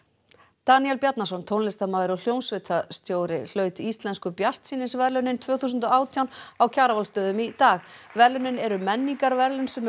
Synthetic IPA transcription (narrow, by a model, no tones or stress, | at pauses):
t̪aniɛlpjat̪nasɔnt̪ʰownlɪst̪amaːðɪɾɔl̥jownsvɪt̪ʰast̪joːwɾɪl̥œːɥt̪ɪist̪lɛnskʏpjar̥t̪siːnɪsvɛɾlœnɪnt̪ʰvœːθusʏnt̪ɔaːwt̪ʰjawnawcʰaːɾavalst̪œːðʏmit̪aːxvɛɾlʏnɪnɛɾʏmɛnːiŋkaɾvɛɾlʏnsɛm